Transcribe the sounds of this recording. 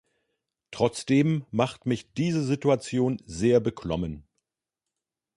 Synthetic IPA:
tʁ̥ɔt͡sd̥eːmːaχtmɪçd̥iːzəzituat͡sjoːnzeːɐbəkʰlɔ̰mən

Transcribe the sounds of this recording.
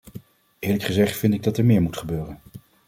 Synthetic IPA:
ʔɪːɹləkχəzɛχtfɪntɪɡ̚dɑtɛɹmɪːɹmutχəbøːrən

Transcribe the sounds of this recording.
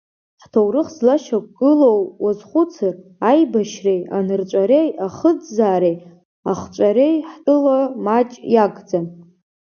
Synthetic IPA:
ħtʰowrɨχzlaʃakʷʼɡɨlo̞wwazχʷʊt͡sʰɨrajbaʃreja̰nɨrt͡ʃʷʼaɾe̞jaχəd͡zzaːɾej | aχt͡ʃʷʼaɾejħtʼɨlamat͡ʃʼjaɡʼd͡zan

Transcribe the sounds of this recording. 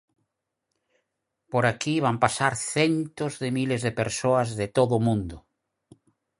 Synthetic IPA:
poɾakiβampasaɾθent̪ozðemilezðepeɾsoazðet̪oðʊmũnd̪ʊ

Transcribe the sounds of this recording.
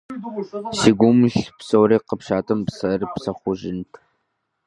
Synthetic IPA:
siɡʷuʊmɬpsowɾiːqəpʃaːtʰɐmpsɐrpsɐχʷʊʒɪntʰ

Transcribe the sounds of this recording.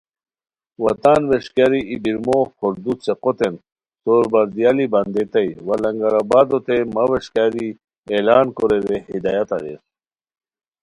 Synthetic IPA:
wɐt̪aːnweʂkaɾiʔibiɾmoxoɾd̪ut͡seqot̪en | soːɾbɐɾd̪ijalibɐnd̪et̪ɐjwɐlɐŋɡɐɾabaːd̪ot̪emɐweʂkaɾi | elaːnkoɾeɾehid̪ajat̪a̰ɾḛs

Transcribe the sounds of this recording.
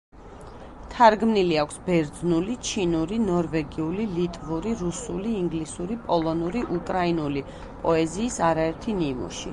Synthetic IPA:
t̪ʰaɾɡmniliakʷʰsbɛɾd̪znulit͡ʃʰinuɾinɔɾvɛɡiulilit̪ʼvuɾiɾusuliːŋɡlisuɾipʼɔlˠɔnuɾiʔukʼɾainuli | pʼɔɛziːsaɾaɛɾt̪ʰinimṵʃḭ

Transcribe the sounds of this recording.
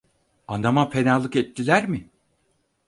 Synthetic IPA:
and̪amapʰe̞nalˠːɯkɛt̪ʰːilʲæɾmɪ

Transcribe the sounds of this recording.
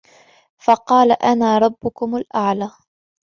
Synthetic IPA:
fɑqɑːlaʔanaːɾˤɑbːʊkʊmʊlʔaʕlaː

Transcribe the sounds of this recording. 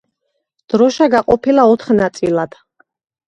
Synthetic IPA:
d̪̥ɾɔʃaɡaqʼɔpʰilaɔt̪ʰχnat̪sʼḭlad̪̥

